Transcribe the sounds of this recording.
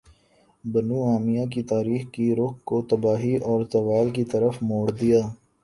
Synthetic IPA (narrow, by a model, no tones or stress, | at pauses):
bɐnuaːmijak̬it̪aːɾiːxkiɾʊkkot̪ɐbaːɦiʔɔːɾt̪ɐʋaːlkit̪ɐɾəfmoːɽd̪ijaː